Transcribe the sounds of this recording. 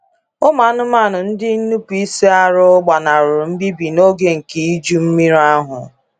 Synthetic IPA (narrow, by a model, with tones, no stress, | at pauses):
ʊ˦ma˨˦nʊ˦m˦a˦˨nʊ˨n̩˦dɪ˦nu˦pu˨i˦se˦a˦ɾʊ˦ɡ͡ba˨na˨ɾʊ˨m̩˦bi˦bi˨no˦ɡe˦ŋ̩˨ki˨i˦d͡ʒu˦m̩˦mi˦ɾa˦ɦʊ˨